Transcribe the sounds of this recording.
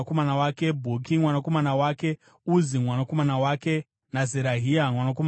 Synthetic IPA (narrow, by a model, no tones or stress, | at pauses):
akomanawaːke̞bʱokimwanako̞manawaːke̞ | uzimwanako̞manawaːke̞ | nazeɾaɦiamwanak̬oma